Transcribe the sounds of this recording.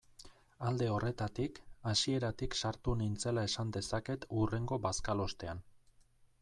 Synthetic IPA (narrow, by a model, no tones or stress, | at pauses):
ald̪e̞o̞re̞t̪at̪ikasie̞ɾat̪iksaɾt̪unint͡se̞lae̞sand̪e̞sake̞t̪ure̞ŋɡo̞baskalo̞st̪e̞an